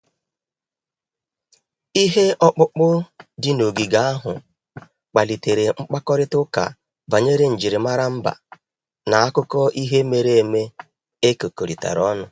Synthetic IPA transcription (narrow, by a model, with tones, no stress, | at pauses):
i˦ɦe˦ʔɔ˦k͡pʊ˦k͡pʊ˦dɪ˦no˨ɡi˨ɡa˦a˦ɦʊ̰˨ | k͡pa˨li˨te˨ɾe˨ŋ͡m̩˦k͡pa˦kɔ˦ɾɪ˦tʊ˦ka̰˨ | ba˨ɲe˦ɾe˦˨n̩˨d͡ʒi˨ɾɪ˨ma˦ɾa˦m̩˦ba̰˨ | na˨a˦kʊ˦kɔ˦ʔi˦ɦe˦me˨ɾe˦e˨me˦ | e˦ko˨ko˨ɾi˨ta̰˨ɾɔ˦nʊ˨